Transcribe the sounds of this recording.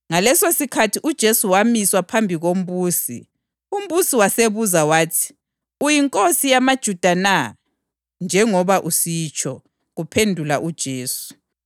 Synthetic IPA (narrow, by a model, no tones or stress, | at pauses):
ŋalɛsosikʰatʰiʔud̥ʒ̥ʱesuwamiswapʰambʱiɣom̩βuːsḭ | um̩βusiwaseβuzawaːtʰi̥ | ujiŋkʼosijamad̥ʒ̥ʱud̥ʱana | nd͡ʒʱɛŋɔβaʔusit͡ʃʰɔ | ɣupʰendʱulaʔud̥ʒ̥ʱeːsu̥